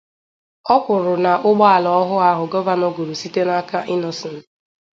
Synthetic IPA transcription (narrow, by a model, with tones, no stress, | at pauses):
ɔ˦kʷʊ˨ɾʊ˨na˨ʔʊ˦ɡ͡bɔ˦a˨lɔ˨ɔ˦ɦʊ˦a˦ɦʊ˨ɡɔ˦ba˦no˦ɡo˨ɾu˨si˦te˦na˦ka˦ʔɪ˦nɔ˨sɪ˨n̩˦